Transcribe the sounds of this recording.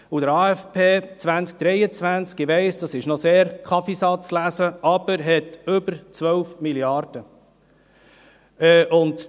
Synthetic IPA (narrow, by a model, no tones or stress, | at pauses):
udəɾɑːɛfpʰeːt͡svænt͡sk̚d̥ɾɛɪət͡svænt͡skiʋɛɪsd̥ɑsɪʃnɔseːɾkʰɑfisɑt͡slæsəɑb̥əɾɦɛtʏbəɾt͡sʋœwfmiljɑrd̥ə | ɛʔʊnd